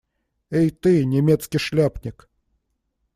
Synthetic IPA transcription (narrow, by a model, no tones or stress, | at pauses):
ejt̪ɨnʲɪmʲet̪skʲɪʂlʲapnʲɪk